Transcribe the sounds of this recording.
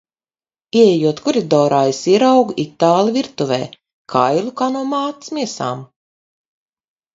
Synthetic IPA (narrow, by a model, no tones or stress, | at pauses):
iɛɛjuɔt̪kuɾid̪ɔːɾajsiɾawɡit̪ːaːlˠiviɾt̪uvɛ̰ː | kʰajlˠukaːnuɔmaːt̪smʲiɛsa̰ːm